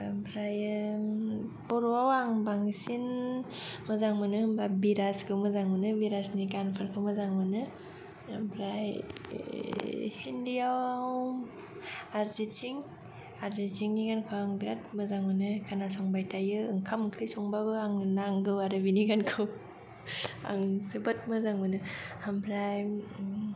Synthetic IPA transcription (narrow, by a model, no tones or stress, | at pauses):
bʰɾaj | bɔɾɔawaŋbaŋsin | mɯzaŋmɯnɯbabiɾaskʰɯwmɯzaŋmɯnɯbiɾasniɡanpʰɯɾkʰɯmɯzaŋmɯnɯ | bɾaj | hindiaaw | aɾzit͡ʃʰiŋ | aɾzit͡ʃʰiŋniɡankʰɯaŋbiɾat̚mɯzaŋmɯnɯkʰanasɔŋbajtajɯɯŋkʰamkʰɾisɔŋbabɯaŋnaŋɡɯwaɾɯbiniɡankʰɯw | a̰ŋzɯbat̚mɯzaŋmɯnɯambʰɾaj